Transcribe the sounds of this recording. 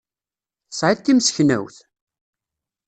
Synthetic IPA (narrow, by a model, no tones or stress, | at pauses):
sˤʕɪt̪ːimsçnæ̰wθ